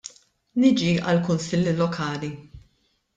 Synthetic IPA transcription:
nɪd͡ʒiɐ̰lkʊnsɪlːlɔkʰɐːli

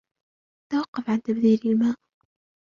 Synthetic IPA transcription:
t̪ːawɑqːɑfʕant̪abd̪iːɾɪlmaːʔ

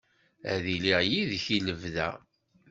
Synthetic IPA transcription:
æðiliʁjiðçiləvðæ̰

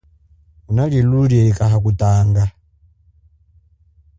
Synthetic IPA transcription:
unaɺiluɾiɛikaɦak̬utaːŋɡa

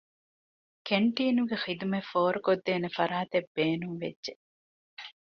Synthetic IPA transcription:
keɳʈiːnuɡexid̪umefoːɾukod̪ːeːnefɐɾaːt̪ebːeːnuŋʋḛdːʒe

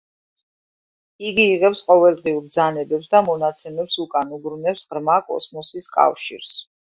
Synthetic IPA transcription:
iɡiːʁɛpsqʼɔvɛlˠd̪ʁiuɾbd̪zanɛbɛpsd̪amɔnat̪sʰɛmɛpsukʼanuɡɾunɛpsʁɾmakʼɔ̰smɔsiskʼa̰fʃḭɾs

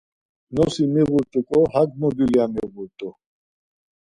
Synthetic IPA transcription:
nɔsimiɣuɾt̪ʼukʼɔɦaɡmɔd̪iliamiɣuɾt̪ʼu

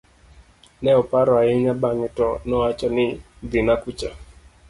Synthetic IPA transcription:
nɛɔpaɾɔaɪɲabaŋɪtɔnɔat͡ʃɔnɪ | d̪ɪnakut͡ʃa

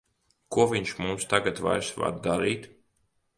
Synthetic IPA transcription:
kuɔvʲiɲt͡ʃmumst̪aɡat̪va̰jɾsva̰ɾd̪d̪aɾiːt̪

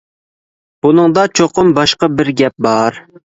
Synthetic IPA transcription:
b̥unɨŋd̪ɑt͡ʃʰoqʰʊmbɑʃqɑbɪɾɡʲɛp̚bɑɾ

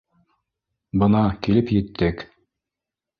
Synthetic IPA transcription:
bɤnɑkilɘpjɘ̆t̪ːɘk

